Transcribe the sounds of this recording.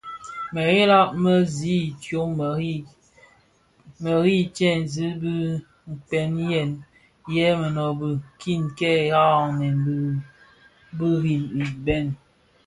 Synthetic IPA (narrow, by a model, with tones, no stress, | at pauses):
mə˨ɣe˦la˦ʔ̚mə˦zi˦˨tjo˨˦˨ | mə˨ɾi˦t͡ʃɛ˦˨n˨zi˦bi˦ | m̩˨pɛ˨˦n˦jɛ˨n | jɛ˦mə˨nɔ˨bɨ˨kʰi˦˨nkɛ˦˨ha˦˨nɛ˨nb | bi˦ɾi˨i˨bɛ˦n